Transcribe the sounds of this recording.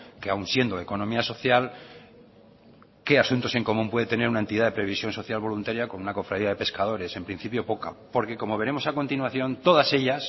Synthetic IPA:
keawnsje̞nd̪oe̞ko̞nomiaso̞θjal | ke̞asunt̪o̞se̞ŋko̞mũmpwe̞ðe̞t̪ene̞ɾunaent̪iðaðe̞pɾe̞β̞isjo̞nso̞θjalβo̞lunt̪aɾjako̞nunako̞fɾaðiaðe̞pe̞skað̞o̞ɾe̞se̞mpɾin̟θipjo̞po̞ka̰po̞ɾke̞ko̞mo̞β̞e̞ɾe̞mo̞sako̞nt̪inwaθjo̞nt̪o̞ðase̞ʎas

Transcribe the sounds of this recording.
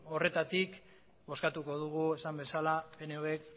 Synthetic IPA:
o̞re̞t̪at̪ik | bo̞skat̪uko̞ð̞uɣue̞sambe̞salapeneoek̚

